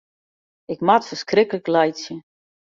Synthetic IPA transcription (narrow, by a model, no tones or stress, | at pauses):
ɪkmatfərskrɪkələklajsjə